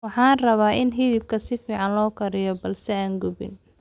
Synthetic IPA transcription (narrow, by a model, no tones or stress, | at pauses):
wɑħɑːnrɐβaːʔɪnɦɪðɪb̚kʰɐsɪfiːʕɑnlɔːkʰɐɾɪjɔbɐlsɛaːŋɡʊbɪ̰n